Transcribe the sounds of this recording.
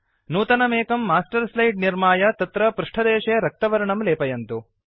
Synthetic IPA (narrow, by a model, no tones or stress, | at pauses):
nuːt̪ɐnɐmeːkɐmːaːsʈɐɾslɐjɖ̚niɾmaːjɐt̪ɐt̪ɾɐpɾuʂʈʰɐd̪ɛːʂeɾɐk̚t̪ɐʋɐɾɐɳɐmleːpɐjɐnt̪u